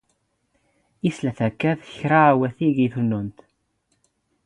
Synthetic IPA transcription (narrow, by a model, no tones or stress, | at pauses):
islæθækːæðçɾawæθiɡiθnːunt̪